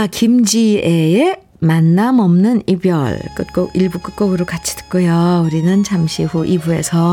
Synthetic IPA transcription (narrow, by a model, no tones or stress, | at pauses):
akimd͡ʑiee | manːamʌmnɯnibjʌ̰ɭk͈ɯt̚k͈oiɭbuk͈ɯk̚k͈oɡɯɾokat͡ɕʰi̥tʰɯ̥k͈ojouɾinɯnt͡ɕamɕʰiɸuʔibue̞sʰʌ